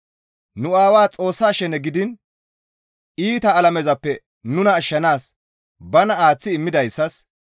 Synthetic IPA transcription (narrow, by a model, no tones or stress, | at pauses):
nʊaːwaːt͡sʼo̞ːsːaːʃɛnɛɡɪd̪ɪn | iːt̪ɐːlɐmɛzɐpːɛ | nʊnɐːʃːɐnaːs | bɐnɐaːt͡sːɪːmːɪd̪ɐjsːɐs